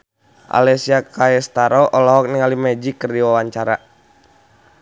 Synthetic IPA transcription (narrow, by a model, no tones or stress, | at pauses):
ʔa̰lɛsiakaɛst̪aɾɔʔɔlɔɦɔk̚niŋalimɛd͡ʒikːərdiwawaɲt͡ʃaɾa